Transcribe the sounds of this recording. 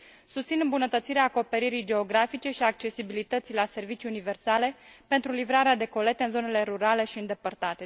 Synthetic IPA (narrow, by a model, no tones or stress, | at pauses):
sust̪sinɨmbunət̪ət̪siɾeaːko̞pe̞ɾiɾijd͡ʒe̞o̞ɡɾafit͡ʃe̞ʃiak̚t͡ʃe̞sibilit̪ət̪silase̞rvit͡ʃiunive̞rsale̞pe̞nt̪ɾulivɾaɾead̪e̞ko̞le̞t̪eɨnzo̞ne̞le̞ɾuɾale̞ʃiɨnd̪e̞pərt̪at̪e̞